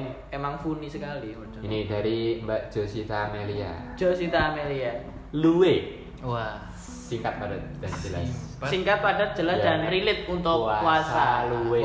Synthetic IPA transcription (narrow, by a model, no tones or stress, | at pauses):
ŋ | emaŋfunisəkali | inidaɾimbad͡ʒ̥osit̪aːmelia̰d͡ʒ̥osit̪aːmelia | luwe | uwa | siŋkat̪̚padat̪̚d̥asd͡ʒəla̰ssiŋkat̪̚padat̪̚d͡ʒ̥ə̤lasd̥anrilɪt̪̚unt̪ʊauasalue